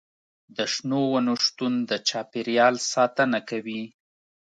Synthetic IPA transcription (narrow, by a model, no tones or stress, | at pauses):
d̪əʃnowanoʃt̪und̪ət͡ʃɑpeɾjɑlsɑt̪ənakawi